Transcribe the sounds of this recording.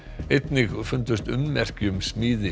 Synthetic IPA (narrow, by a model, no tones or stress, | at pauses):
ejt̪nɪɣfʏnt̪ʏst̪ʏ̰mːɛr̥cʏmsmiːðɪ